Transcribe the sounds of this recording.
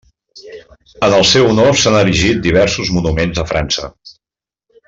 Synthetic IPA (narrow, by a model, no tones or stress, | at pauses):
ənəlˠsɛwunosanəɾiʒit̪̚d̪iβ̞ɛɾsuzmunumenzðəfɾa̰nsə̰